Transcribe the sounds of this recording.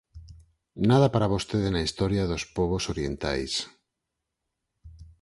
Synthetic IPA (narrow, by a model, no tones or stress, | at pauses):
nað̞apaɾaβ̞ost̪eðenaist̪oɾjaðospoβ̞osoɾjent̪a̰js